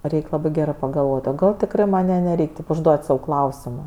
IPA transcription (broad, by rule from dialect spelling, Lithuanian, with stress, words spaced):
ˈrʲɛɪkʲ ˈlˠɑːbɜ ˈɡʲæːrɜ pɐɡɐlˠˈʋoːtʲ oː ˈɡɐlˠ tʲɪkˈrɜ ˈmɐnʲ ˈjɛ nʲɛˈrʲɛɪkʲ tʲɪp ʊʒˈduɔtʲ sɐʊ ˈklˠɐʊsʲɪmoː